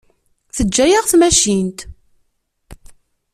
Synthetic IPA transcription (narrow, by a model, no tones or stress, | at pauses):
θəd͡ʒːæjəʁθmæʃint̪